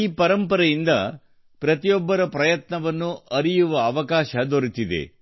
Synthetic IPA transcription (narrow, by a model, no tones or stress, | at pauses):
iːpɐɾɐmpɐɾɐjind̪ɐ̰ | pɾɐt̪ijɔbːɐɾɐpɾɐjɐt̪nɐʋɐnːuʔɐɾijuʋɐːʋɐkaːʃɐd̪oɾit̪id̪ḛ